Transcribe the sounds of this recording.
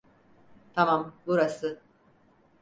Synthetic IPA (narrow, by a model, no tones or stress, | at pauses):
t̪ʰamambuɾasɯ